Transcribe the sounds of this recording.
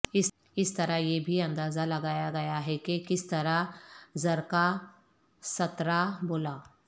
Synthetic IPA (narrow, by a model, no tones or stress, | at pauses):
ɪ | ɪst̪ɐɾajebʱiɐ̃nd̪aːzalɐɡaːjaɡɐjaɦɛkekɪst̪ɐɾazɐɾka | sɐt̪ɾaboːlaː